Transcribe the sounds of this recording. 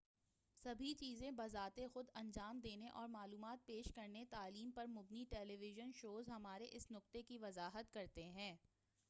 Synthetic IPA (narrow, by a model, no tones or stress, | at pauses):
sɐbʱit͡ʃiːzẽbɐzaːt̪exʊd̪ɐ̃nd͡ʒaːmd̪eːneʔɔːɾmaːluːmaːt̪̚peːʃkɐɾnet̪aːliːmpɐɾmʊbniʈɛːleːʋɪʒənʃoːzɦɐmaːɾeʔɪsnʊq̚t̪ekiʋɐzaːɦət̪kɐɾt̪eɦɛ̃ː